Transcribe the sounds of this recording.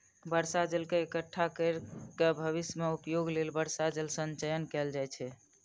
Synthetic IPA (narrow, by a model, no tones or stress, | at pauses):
bəɾsad͡ʒelkeekəʈʰːakəɾkebʱəβismeupjoɡlelbəɾsad͡ʒelsənt͡ʃəjənkɛld͡ʒajt͡ʃʰɛ